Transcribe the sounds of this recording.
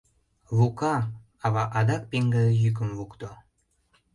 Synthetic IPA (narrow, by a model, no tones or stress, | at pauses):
βukɑ | ɑβɑʔɑd̪ɑk̚peŋɡəjyk̬ə̆mvukt̪o